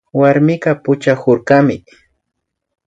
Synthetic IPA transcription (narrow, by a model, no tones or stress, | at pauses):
waɾmɪɢɑpʊt͡ʃahʊɾɢamɪ